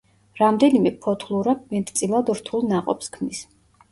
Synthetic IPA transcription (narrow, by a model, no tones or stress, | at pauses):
ɾamd̪ɛnimɛpʰɔt̪ʰlˠuɾamɛt̪ʰt̪sʼilˠad̪ɾt̪ʰulˠnaqʼɔ̰pskʰmnis